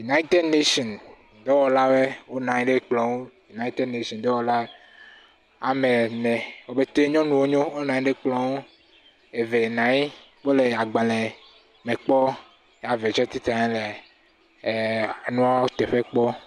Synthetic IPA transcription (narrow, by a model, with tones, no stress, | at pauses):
ju˨na˦i˦t̪e˦dne˦ʃɔ˨n | d̪ɔ˦wɔ˨la˦we˦wo˦nã˨ɲi˦ɖe˦k͡plɔ˨wu˦ju˨na˦i˦t̪e˦dne˦ʃɔ̃˨nd̪ɔ˦wɔ˨˦la˦ | a˨me˨nɛ̃˨wo˨be˦t̪e˦ɲɔ̃˦nũ˨wo˦ɲõ˦wo˦nã˨ɲi˦ɖe˦k͡plɔ˨wu˦ | e˨ve˨nã˨ji˦ | k͡po˦le˨a˨ɡ͡bã˨le˨ | me˨k͡pɔ˦ | ja˨ve˨t͡ʃɔ˦t̪i˦t̪ã˨ɛ̃˦le˨ | a˨nũ˦a˦t̪e˨ɸe˦k͡pɔ˦